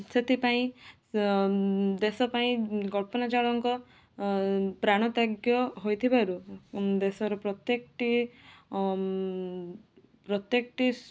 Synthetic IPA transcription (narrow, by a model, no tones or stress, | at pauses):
set̪ʰipaĩ | d̪esɔpaĩɡɔɭpɔnad͡ʒaɭɔŋkɔ | pɾaɽ̃ɔt̪aɡjɔɦojt̪ʰibaɾud̪esɔɾɔpɾɔt̪jekʈi | pɾɔt̪jekɔʈi